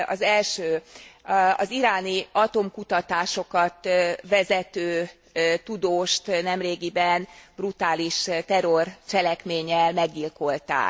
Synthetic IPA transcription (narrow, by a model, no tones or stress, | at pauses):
ɒ̰zɛlʃøː | ɒ̰ziɾaːniɒt̪o̞mkut̪ɒt̪aːʃo̞kɒt̪ʋɛzɛt̪øː | t̪ud̪oːʃt̪nɛmreːɡibɛnbrut̪aːliʃt̪ɛrort͡ʃɛlɛkmeːɲɛlmɛɡɟilko̞lt̪a̰ːk